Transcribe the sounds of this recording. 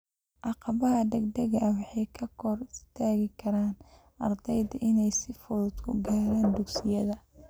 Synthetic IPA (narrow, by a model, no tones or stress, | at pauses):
ʔɑqɑβɐɦɐd̪ɐɡd̪ɐɣɐwɑħɑjkʰɐkʰɔrɪst̪ʰaːɣɪkʰɐɾaːn | ɐrd̪ɛjd̪ɐʔɪnɛjsɪfʊlʊd̪kʰʊɡaːɾaːnd̪ʊksɪjɐðɐ